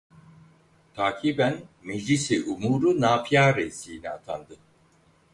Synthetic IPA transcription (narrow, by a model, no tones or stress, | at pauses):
t̪ʰaːcʰiːbænmed͡ʒlisiʔumuːɾunaːfijaːɾesiːnia̰t̪ʰand̪ɯ